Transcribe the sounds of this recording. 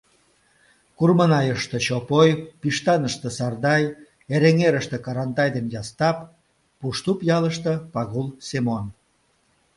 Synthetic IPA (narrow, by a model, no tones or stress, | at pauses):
kurmənɑjəʃt̪ə̆t͡ɕopojpiʃt̪ɑnəʃt̪ə̆sɑrd̪ɑj | eɾeŋeɾəʃt̪ĕkɑɾɑnt̪ɑjd̪enjɑst̪ɑpː | uʃt̪upjɑləʃt̪ɤ̆pɑɣulsemon